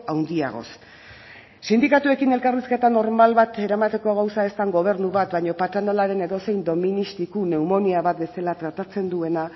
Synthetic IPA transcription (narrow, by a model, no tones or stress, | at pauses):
awnd̪ia̰ɣ̞o̞̰s | sind̪ikat̪ue̞kine̞lkariske̞t̪ano̞ɾmalβat̪e̞ɾamat̪e̞ko̞ɣ̞awsae̞st̪aŋɡo̞β̞e̞ɾnuβat̪bajɲo̞pat̪and̪alaɾe̞ne̞ðo̞se̞jnd̪o̞minist̪ikune̞umo̞niaβat̪̚be̞selat̪ɾat̪at͡se̞nd̪ue̞na